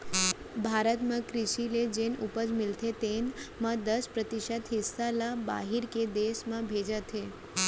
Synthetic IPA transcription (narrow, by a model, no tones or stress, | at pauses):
bʱaɾət̪mãkɾɪʃiled͡ʒenupəd͡ʒmɪlt̪ʰet̪enmãd̪əspɾət̪iʃət̪ɦɪsːalaba̰ɦiɾked̪eʃmãbʱed͡ʒət̪ʰe